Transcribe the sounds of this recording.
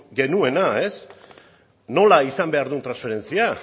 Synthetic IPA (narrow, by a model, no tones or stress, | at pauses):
ɡe̞nue̞nae̞s | no̞laisambe̞aɾðunt̪ɾansfe̞ɾe̞nt͡sia